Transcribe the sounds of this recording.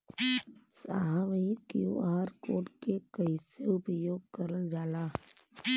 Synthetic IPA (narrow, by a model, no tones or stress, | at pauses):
saːɦamikjṵaːɾkoːʈkekəɪseʊpəjoːɡ̚kəɾəld͡ʒaːlaː